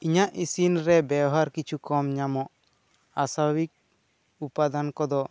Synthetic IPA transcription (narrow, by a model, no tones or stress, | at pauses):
iɲaʔisinɾɛbabɦaɾkit͡ʃʰukɔmɲamɔʔ | asabʱabik̚ | upad̪ankɔd̪ɔ